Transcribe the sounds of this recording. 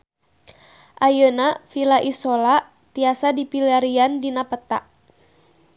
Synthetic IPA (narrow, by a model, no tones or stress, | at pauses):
ʔajənafilaʔisola | t̪iasadipilaɾiandinapət̪a̰ʔ